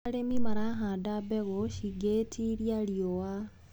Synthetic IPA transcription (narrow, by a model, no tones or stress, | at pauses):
ɾemimaɾaɦaːndabeɣoʃiɡetʰiɾjaɾjowa